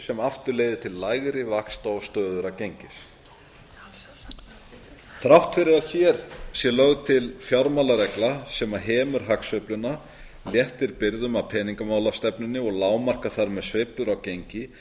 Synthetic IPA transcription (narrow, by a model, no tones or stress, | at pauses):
sɛmaft̪ʏɾleːjðɪt̪ʰɪlːaːjɣɾɪvakst̪aɔst̪œːðʏɾacejɲcɪs | θɾawht̪fɪɾɪɾaðçɛɾ̥sjɛlœɣt̪ʰɪlfjaɾmalaɾɛklasɛmaɦɛːmʏɾ̥ɦaksœplʏnːa | ljɛht̪ɪɾpɪɾðʏmapʰɛːniŋkamaːwlast̪ɛpnʏnːɪɔɣlaːwmar̥kaθaɾmɛðsvɪːplʏɾawcejɲcɪ